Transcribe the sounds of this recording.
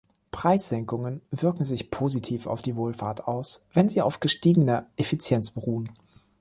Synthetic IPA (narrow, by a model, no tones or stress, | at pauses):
pʁ̥aɪsz̥ɛŋkʊŋənvɪɐkŋ̩zɪçpʰoːzitʰiːfa̰ʊfd̥iːvoːlfaːɐtaʊsv̥ɛnziːa̰ʊfɡ̥əʃtiːɡənɐʔefit͡sjɛnt͡sb̥əʁuːən